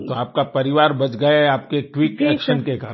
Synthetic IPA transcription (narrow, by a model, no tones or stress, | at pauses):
t̪oaːp̚kapɐɾɪʋaːɾbɐt͡ʃɡɐeaːp̚kekʋɪkɛːkʃənkeka